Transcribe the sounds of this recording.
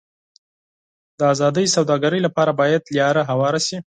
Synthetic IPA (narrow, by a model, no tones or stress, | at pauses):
d̪əazɑd̪əjsawd̪ɑɡaɾəjlapɑɾabɑjad̪ljɑɾaɦawɑɾasi